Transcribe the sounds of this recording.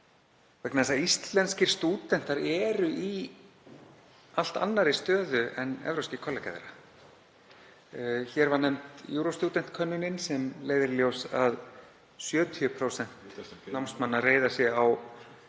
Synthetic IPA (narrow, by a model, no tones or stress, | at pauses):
vɛknaðɛsaist̪lɛnscɪɾ̥st̪uːt̪ɛn̥t̪aɾɛːɾʏʔi | al̥t̪a̰nːaɾɪst̪œːðʏɛnɛ̰vɾowscɪkʰɔlaka̰ðḛɾa | çɛːɾvanɛmt̪juːɾowst̪uːt̪ɛn̥t̪kʰœnːʏnɪnsɛmleːjðɪɾljowsað | sjœːt̪ʰiʏpʰɾowsɛn̥t̪nawmst̪manːareːjðasjɛaw